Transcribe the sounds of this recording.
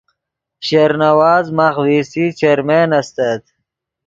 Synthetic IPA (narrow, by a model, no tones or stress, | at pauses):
ɕeɾnɐwaːzmaxwiːsit͡ɕeɾmeːnɐst̪ɐt̪̚